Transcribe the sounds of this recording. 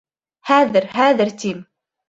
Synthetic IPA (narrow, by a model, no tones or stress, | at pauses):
haːðəɾɦaːðəɾt̪iːm